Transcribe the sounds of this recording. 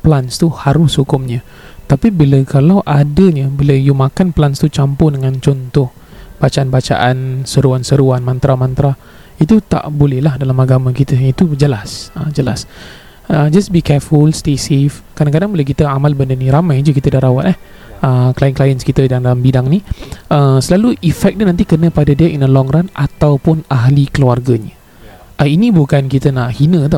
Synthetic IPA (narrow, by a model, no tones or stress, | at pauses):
planst̪uhaɾʊshukʊmɲə | t̪apibiləkalawʔadəɲəbiləjumakanplanst̪ut͡ʃampʊhdəŋãnt͡ʃɔnt̪ɔh | b̥at͡ʃaʔanbat͡ʃa̰ʔansəɾuansəɾuanmãnt̪ɾamãnt̪ɾa | it̪ut̪a̰ʔbolɛhlahdalamaɡamãkit̪əit̪ud͡ʒəlasəd͡ʒəla̰s | əd͡ʒasbikɛfulst̪esefkadãŋkadaŋbolɛhk̬it̪əamalbəndənĩɾamajd͡ʒukit̪ədahɾawat̪̚ɛh | əklajənklajənskit̪əjaŋdalambidaŋniəsəlaluʔifɛk̚ɲənãnt̪̬ikənə̃padadiəʔinəlɔŋɾanat̪awpʊnaɦlikəluarɡaɲə | ʔəinĩbukankit̪ənaʔhinə̃t̪ɔ